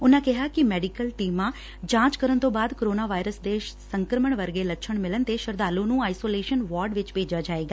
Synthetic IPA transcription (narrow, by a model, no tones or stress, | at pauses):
ʊnãːkɛɦaːkɪmɛːɖɪkəlʈiːmãː | d͡ʒãːt͡ʃkəɾənt̪õːbaːd̪koɾoːnaːʋaːɪɾəsd̪eːsəŋkɾəməɳʋəɾɡeːlətːʃʰəɳmɪlənt̪eʃəɾd̪aːlõːnũːaːisoːleːʃənʋɔːɾɖʋɪt͡ʃpeːd͡ʒaːd͡ʒaːeːɡaː